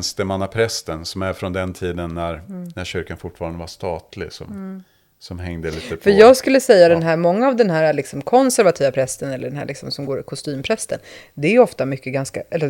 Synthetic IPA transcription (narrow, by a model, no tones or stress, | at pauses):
nst̪əmanːapʰɾɛst̪ənsɔmæɾfɾɔnd̪ɛnt̪ʰiːd̪ənːæɾnæɾɕʏɾkanfʊʈːfɑːɾand̪əvaʂt̪ɑːt̪lɪ̰sɔ̰m | sɔmɦɛŋd̪əliːt̪əpʰfœɾjɑːɡskɵlːəsɛjːad̪ɛnɦæːɾmɔŋːaːvd̪ɛnɦæːɾalɪksɔmkʰɔnsæɾvat̪ʰiːvapʰɾɛst̪ənɛlːəɖɛnɦæ̰ːɭʔɪksɔmsɔmɡoːɾɪkʰʊst̪yːmpʰɾɛst̪ənd̪ɛæjɔft̪amʏkːəɡanska̰ʔɛlːəɾ